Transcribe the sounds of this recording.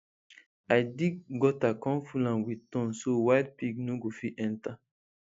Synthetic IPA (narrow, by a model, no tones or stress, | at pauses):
ajdiɡɔtakɔ̃mfulãmwitɔ̃nsowaɪd̚piɡnoɡofiɛ̃nta